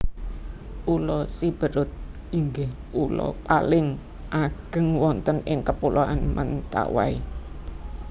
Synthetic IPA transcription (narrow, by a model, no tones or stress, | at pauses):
ʔulɔsib̥ə̤ɾʊt̪̚ | iŋɡɪh | ulɔ̰palɪŋ | ʔaɡ̥ə̤ŋwɔnt̪ənɪŋkəpulʔoʔanmʔənt̪a̰wa̰i